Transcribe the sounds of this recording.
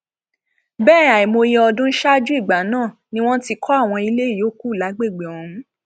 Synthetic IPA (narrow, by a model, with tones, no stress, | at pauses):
bɛː˦˨a˨i˨mo˧je˧ɔ˧dũ˦n̩˦ʃa˦d͡ʒu˦i˦˨ɡ͡ba˨˦nãː˦˨nĩ˦w̃ɔ̃˦ti˧kʰɔ˦a˦˨w̃ɔ̃˧i˧le˦˨joː˨˦ku˦˨la˨˦ɡ͡be˦˨ɡ͡be˨ɔ˨nũ˦